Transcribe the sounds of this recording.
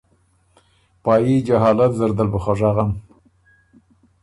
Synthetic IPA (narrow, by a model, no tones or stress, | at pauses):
pɑːjid͡ʒaɦɑːlat̪zaɾd̪albəχaʐɑɣam